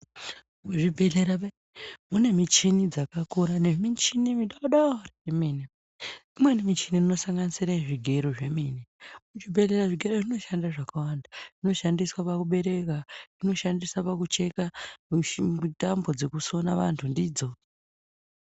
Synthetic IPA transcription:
muʐibʱeɮeɾaɓa | mune̞mit͡ʃinid͡zakakuɾaneʐimit͡ʃinimiɗaɗaraemiːni | imwe̞nimit͡ʃinirino̞saŋɡanisiɾaiʐiɡʱe̞ɾoʐe̞minimut͡ʃibʱe̞ɮeɾaʐiɡʱe̞ɾoʐino̞ʃandaʐakawandaʐ̥ino̞ʃandiswapakuɓe̞ɾe̞karino̞ʃandiswapakut͡ʃe̞ka | utambo̞d͡ze̞kuso̞naʋa̰ntʰundiːd͡zo̞

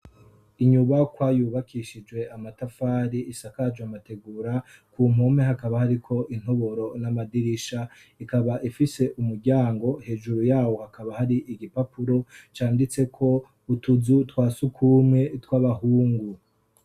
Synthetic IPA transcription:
iɲuβakwajuːβakʰiʃid͡ʒwe̞amatafaːɾiisakad͡ʒwamate̞ɡuːɾakuːm̥o̞me̞ɦakaβahaɾikʰo̞ʔin̥hoβo̞ɾo̞namadiɾiʃa | ikaβaʔifise̞ʔumuɾɟaːŋɡo̞he̞ːʒuɾujaːwo̞hakʰaβahaɾiʔiɡipapuɾo̞t͡ʃaːndit͡se̞kʰo̞ | utuzutwaːsukʰuːmŋe̞twaːβahuːŋɡu

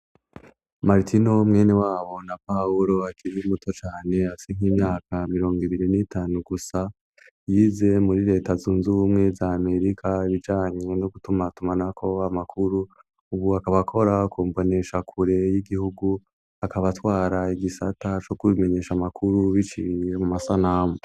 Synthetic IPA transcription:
maɾtʰino̞mŋe̞ːne̞waːβo̞napauɾo̞akʰiɾiumuto̞t͡ʃaːne̞afi̥seŋ̥hiːmɲaːkamiɾo̞ːŋɡiβiɾinitaːnuɡusa | jiːze̞muɾiɾe̞ːtazuːnzumŋe̞zaːme̞ɾikʰaiβid͡ʒaːɲe̞noɡutumatumanakʰo̞amakʰuɾu | uβuakaβakʰo̞ɾakuːmvo̞ne̞ʃakʰuɾe̞jiɡihuɡu | akaβatwaːɾaiɡisatat͡ʃo̞kume̞ɲe̞ːʃamakʰuɾuβit͡ʃije̞mumasanaːmu

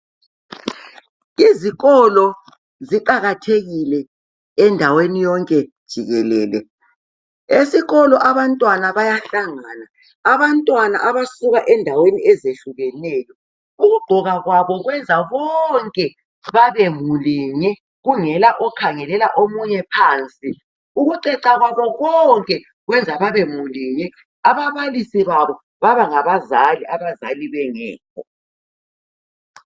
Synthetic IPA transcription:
iziɣɔlɔ | ziǃaɣatʰeɣilɛ | ɛndʱawenijɔŋkʼɛd̥ʒ̥ʱiɣɛlɛ̰ːlɛ̰ | esiɣɔlɔʔaβantʼwanaβajaɬaŋaːnaː | βantʼwana̰ʔaβasuɣaʔɛndʱaweniɛzeɬuɣɛnɛːjɔ | uɣuɡ͡ǃʱɔɣaɣwaβɔɣwɛnd͡zʱaɣɔŋkʼɛ | βaβemuliːɲɛ | ɣuŋɛlaʔɔkʰaŋɛlɛlaʔomuɲɛpʰaːnt͡sʼi | uɣuǃɛǀaɣwaβɔɣɔŋkʼɛ | ɣwɛnd͡zʱaβaβemuliːɲɛ | aβaβalisiβaβɔ | βaβaŋaβazaliaβazaliβɛŋɛ̰ːkʰɔ

